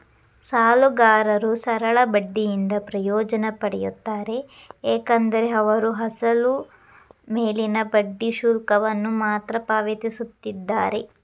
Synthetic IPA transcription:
saːluɡaːɾɐɾusɐɾɐɭɐbɐɖːijind̪ɐpɾɐjɔːd͡ʒɐnɐpɐɽɛjut̪ːaːɾe̞ | eːkɐnd̪ɐɾe̞ɐʋɐɾuɦɐsɐlu | meːlinɐbɐɖːiʃuːlkɐʋɐnːumaːt̪ɾɐpaːʋet̪isut̪ːid̪ːaːɾe̞

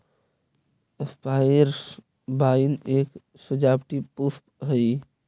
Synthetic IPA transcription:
espajəɾs | baineːk | səd͡ʒabʈipuspɦəi

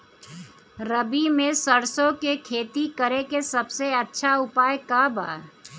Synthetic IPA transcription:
ɾəbimẽsəɾsõkekʰeːt̪ikəɾekesɐbseɐtːʃʰaʊpaːjkaba̰ː

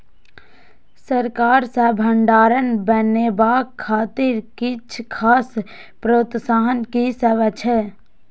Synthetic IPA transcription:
səɾkaːɾsebʱəɳɖaːɾənbəneːbaːkʰːaːt̪ɪɾkɪt͡ʃʰkʰaːs | pɾoːt̪saːɦənkiseʋət͡ʃʰɛ

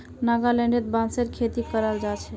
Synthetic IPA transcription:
naɡalɛɳɖet̪̚bãnseɾkʰet̪ikəɾald͡ʒat͡ʃʰɛ

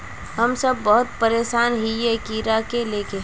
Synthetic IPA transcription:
ɦɐmsɐb̚ːɔɦʊt̪̚pəɾeːʃaːnɦijekiːɾakeleːke

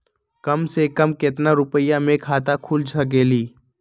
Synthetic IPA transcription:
kəmsekəmket̪naɾʊpəjamẽkʰaːt̪akʰuːlt͡ʃʰək̬eːliː

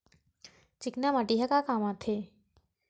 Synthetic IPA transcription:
t͡ʃɪknaməʈiɦɐkakaːmãt̪ʰe

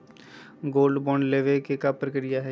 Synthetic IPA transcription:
ɡoːlɖbɔːɳɖleːʋekekapɾəkɪɾɪjaɦɛ

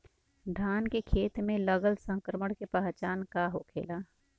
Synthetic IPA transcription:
ɖʱaːnkekʰeːt̪mẽləɡəlsə̃ŋkɾəməɽkepaɦt͡ʃaːnkaɦokʰḛːlaː

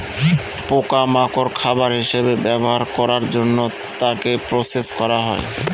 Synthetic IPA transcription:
pokamakoɾkʰabaɾɦiʃebebɛboɦaɾkɔɾaɾd͡ʑonːo | t̪akepɾoseskɔɾaɦɔe

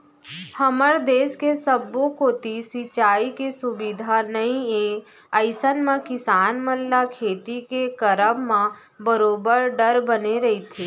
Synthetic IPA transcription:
hɐməɾd̪eːskesəbːokoːt̪isit͡ʃaːikesʊbid̪ʱanɐĩeː | əɪsənmẽkɪsaːnməlːakʰeːt̪ikekəɾəmmã | bəɾoːbəɾɖəɾbəneɾɐɦit̪ʰeː

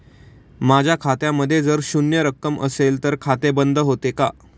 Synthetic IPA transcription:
mad͡ʑʱjakʰat̪jãmːəd̪ʱːjed͡zəɾɕunjəɾəkːəmə̰selt̪əɾkʰat̪ebənd̪ʱəɦot̪eka

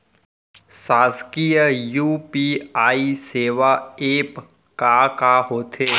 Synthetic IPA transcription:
saːskijəjuːpiaːiseːʋaeːp | kakaɦoːt̪ʰeː

